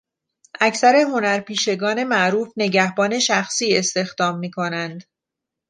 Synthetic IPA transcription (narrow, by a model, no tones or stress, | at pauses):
ʔæcsæɾe̞ɦo̞næɾpiːʃe̞ɡɒːne̞mæʔɾuːfne̞ɟæhbɒːne̞ʃæxsiːe̞st̪e̞xd̪ɒːmːiːkʰo̞nænd̪